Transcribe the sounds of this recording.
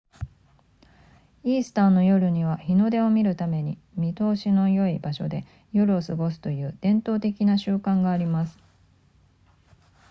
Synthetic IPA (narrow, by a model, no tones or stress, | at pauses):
iːsɨ̥t̪ãnːo̞jo̞ɾɯ̟ɲ̟iβaçino̞d̪e̞o̞mʲiɾɯ̟t̪ame̞ɲ̟imʲit̪o̞ːɕino̞jo̞ibaɕo̞̰d̪e̞ | jo̞ɾɯ̟o̞sɨɡo̞sɨ̥t̪o̞jɯ̟ːd̪̥ẽ̞nt̪o̞ːt̪e̞kʲinaɕɨːkãŋɡaːɾʲimasɨ̥